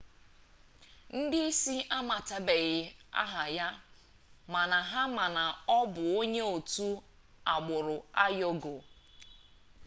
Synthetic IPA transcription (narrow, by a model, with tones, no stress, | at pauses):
n̩˦dɪ˦i˦si˦ʔa˦ma˨ta˨be˨ɣɪ˨a̰˦ɦa˨ja˦ | ma˨na˨ɦa˦ma˨na˨ɔ˦bʊ˨o˦ɲe˦o˨tu˦ | a˨ɡ͡bʊ˨ɾʊ˨a˦jo˦ɡo˨